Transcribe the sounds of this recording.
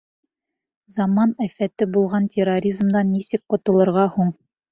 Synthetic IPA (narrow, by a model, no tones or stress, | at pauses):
zɑmɑnæfæt̪ɘbulˠʁɑntʲʰeroɾʲizmd̪ɑnːisɘk̚qŏt̪ɤ̆lˠɤ̆ɾʁɑhuɴ